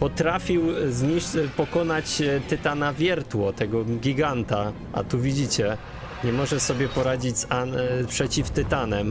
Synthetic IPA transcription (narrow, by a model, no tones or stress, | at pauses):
pɔt̪ɾafʲiwzɲipɔkɔnat͡ɕt̪ɘt̪anavʲjɛɾt̪wɔt̪ɛɡɔɡʲiɡant̪a | a̰t̪uvʲid͡ʑit͡ɕɛ | ɲɛmɔʐɛsɔbʲjɛpɔɾad͡ʑid͡ʑzanpʂɛt͡ɕift̪ɘt̪anɛm